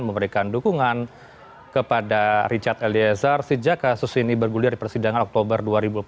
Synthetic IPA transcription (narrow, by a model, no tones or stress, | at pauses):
nməməɾekandukuŋan | kəpadarit͡ʃart̪eliazarsəd͡ʒakːasʊsinibərɡuliardipərsidaŋanɔk̚t̪obərduaɾibulp